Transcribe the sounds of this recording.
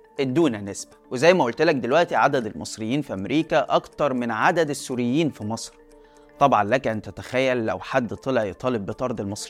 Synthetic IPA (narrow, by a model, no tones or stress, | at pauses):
ʔed̪ːuːnænesbæwezæjːmæʔolt̪elæk̚d̪elwæʔt̪iʕad̪æd̪elmɑsˤɾejːiːnfiʔæmɾiːkæʔɑkt̪ɑɾˤmenʕad̪æd̪esːuːɾɪjːiːnfimɑsˤɾ | t̪ˤɑbʕɑnlækæʔent̪æt̪æxæjːælːæ̰wħad̪ːt̪ˤelæʕjet̪ˤɑːlebːet̪ˤɑɾˤd̪elmɑsˤɾi